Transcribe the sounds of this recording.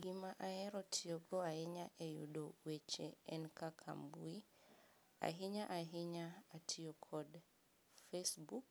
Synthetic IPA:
ɡimaʔaɛɾɔtʰioɡɔaɛɲaʔejṵdowet͡ʃeɛnkakʰa̰mbui | a̰ɦiɲaʔaɦiɲaːtʰiokʰɔd | fesbuk̚

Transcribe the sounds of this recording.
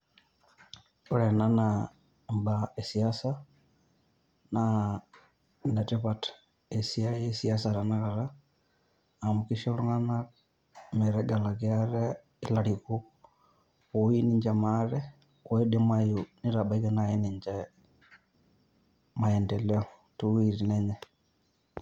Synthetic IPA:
uɾɛnana | mbaesiasa | na | natɛβatḁ | esiajɛsiasaɾanakaɾa | mukiʃaluŋana | mɛɾɛɡalakjaɾɛ | ilaɾiku | oiniɲd͡ʒɛmaɾɛ | kwɔidemwajuniɾabaikɛnajɛniɲd͡ʒɛ | maɛndɛlɛɔ | tuwiɾinɛɲɛ

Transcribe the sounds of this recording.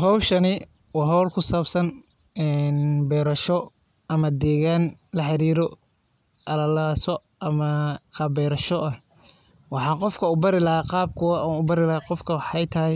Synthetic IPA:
hɔwʃɐnɪ | wɑːɦɔwlkʰʊsaːbsɐn | ɛːnbɛːɾɐʃɔ | ɐmɐd̪ɛːɣaːnlɐħɑɾiːɾɔ | ʔɐlɐlaːsɔ | ʔɐmɐqʰɑːbɛːɾɐʃɔʔɐh | wɑħɑːqɔfkʰɐʊbɐɾɪlɐɦaqɑːb̚kʰʊwʊbɐɾɪlɐɦaqɔfkʰɐwɑħɑjt̪ʰɐɦɪj

